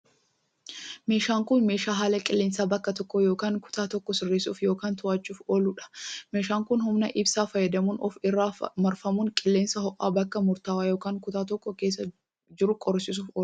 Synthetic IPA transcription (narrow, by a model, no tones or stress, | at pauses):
me̞ːʃaːŋkʊnmeːʃaːɦaːlɐkʼɪlːeːnsaːbɐkːɐt̪ɔkːɔjoːkaːŋkʊ̥t̪aːt̪ɔkːɔsɪrːeːsṵːfjo̞ːkaːnt̪ʊaːt͡ʃːuːfoːlʊᶑɐ̥me̞ːʃaːŋkʊnhʊmnɐʔɪbsaːfɐjɛd̪ɐmuːnɔfɪrːaːfmɐɾfɐmuːŋkʼɪlːe̞ːnsɐhɔʔa̰ːbɐkːɐmʊɾt̪aːwaːjoːkaːŋkʊt̪aːt̪ɔkːɔkeːs̬ːɐ | d͡ʒɪɾʊkʼɔɾsɪs̬uːfoː